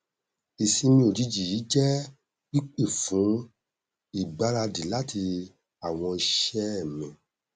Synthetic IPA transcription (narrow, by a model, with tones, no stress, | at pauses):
i˨sĩ˧mĩ˧˦o˨d͡ʒi˧˦d͡ʒi˨i˨˦d͡ʒɛ˦ | i˦k͡pe˦˨fũ˨˦ | i˦˨ɡ͡ba˨˦ɾa˧di˨˦la˦tʰi˧ | a˨w̃ɔ̃˧i˧ʃɛ˦˨mɛ̃˨